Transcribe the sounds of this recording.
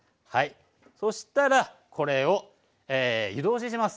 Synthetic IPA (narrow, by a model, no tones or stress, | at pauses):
hai | so̞ɕi̥t̪aɾakʰo̞ɾe̞o̞ | eːjd̪o̞ːɕiɕ̬imasɨ̥